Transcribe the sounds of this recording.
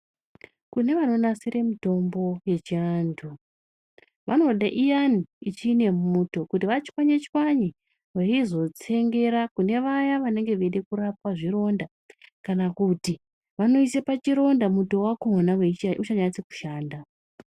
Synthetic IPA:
kune̞ʋano̞nasiɾe̞mito̞mbo̞je̞t͡ʃiandʰu | ʋano̞ɗaʔijaniit͡ʃiːne̞muːto̞kutiʋat͡ʃi̥kwaɲet͡ʃwaɲi | ʋeizo̞t͡se̞ŋɡe̞ɾakune̞ʋajaʋane̞ŋɡe̞ʋeɗekuɾap̚waʐiro̞nda | kanakuti | ʋano̞ise̞pat͡ʃiɾo̞ndamuto̞wakonaweut͡ʃaɲait͡seku̥ʃaːnda

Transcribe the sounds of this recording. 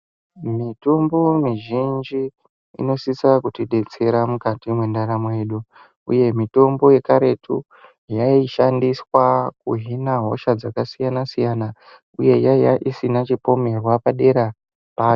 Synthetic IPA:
mitombo̞miʒind͡ʒi | ḭno̞sisakutiɗe̞t͡se̞ɾamukatimwe̞ndaɾamwe̞ɗu | ṵje̞mito̞mbo̞je̞kaɾe̞tʰṵ | jaiʃandiswak̚uɦinaɦo̞̰ʃad͡zakasijanasijana | uje̞jajaʔisinat͡ʃipo̞me̞rwapaɗe̞ɾa | paːjo

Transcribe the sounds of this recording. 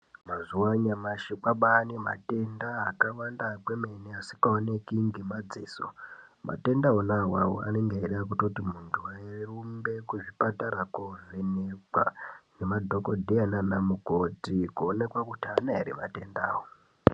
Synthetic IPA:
mazuwaɲamaʃikaɓanema̰te̞ndaːkawandakwemeniasi̥kaonekiŋɡemad͡ziːso̰ma̰te̞ndaɦonawawo̰a̰neŋɡeeɗak̬utotimuntʰuwaerumbe̞kuʐipataɾakovenekwa̰nemadʱo̞kodʱeananamukotikuone̞kwakutianaeɾima̰te̞ndaːwo

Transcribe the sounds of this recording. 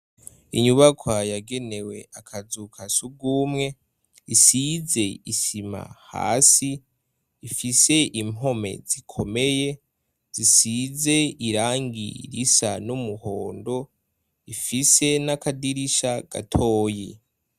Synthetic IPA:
iɲuβakʰwajaɡe̞ne̞we̞akʰazukʰasuɡuːmŋe̞ | isize̞isima̰ha̰ːsiː | fise̞imo̞me̞̰zikʰo̞me̞je̞ | z̥isize̞iɾaːŋɡḭɾisanumuho̞ːndo̞ | ifise̞nakadiɾiʃaɡ̥a̰tʰo̞ːji

